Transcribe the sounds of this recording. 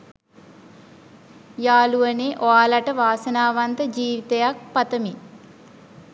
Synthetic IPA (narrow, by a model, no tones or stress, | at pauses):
jaːluʋɐneʔɔaːlɐʈɐʋaːsɐnaːʋɐnt̪ɐd͡ʒiːʋit̪ɐjak̚pɐt̪ɐmi